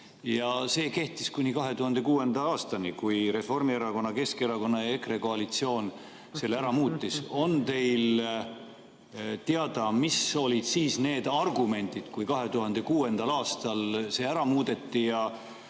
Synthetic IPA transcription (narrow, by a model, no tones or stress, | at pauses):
jɑse̞ːke̞ht̪iskunʲikɑɦe̞t̪uhɑnd̪̥e̞kuːe̞nd̪ɑɑːst̪ɑnikujɾe̞fo̞rmieɾɑko̞nːɑke̞skeɾɑko̞nːɑjekreko̞ɑlit̪sio̞ːn | selːæɾɑmuːt̪ːiso̞nt̪e̞jl | t̪eɑd̪̥ɑmiso̞lid̪̥siːsne̞ːd̪ɑrɡume̞nʲd̪̥id̪̥kujkɑɦe̞t̪uɦɑnd̪̥ekuːe̞nd̪̥ɑlɑːst̪ɑlse̞ːæɾɑmuːd̪e̞t̪ːijɑ